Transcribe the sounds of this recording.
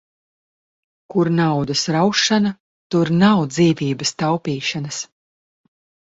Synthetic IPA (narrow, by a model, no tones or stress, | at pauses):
kuɾnawd̪ɐsɾawʃanɐ | t̪uɾnawd̪ziːviːbɐst̪awpiːʃanɐs